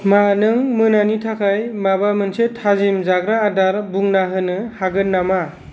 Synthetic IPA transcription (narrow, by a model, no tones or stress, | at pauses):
manɯŋmɯnanitʰakʰajmabamɯnsetʰazimzaɡɾaːdaɾbuŋnaɦɯnɯhaɡɯnnːama